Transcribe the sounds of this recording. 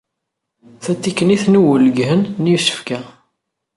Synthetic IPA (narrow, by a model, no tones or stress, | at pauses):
θæt͡s̪ːikːəniθnuwələɡɦənːjusə̥fkæ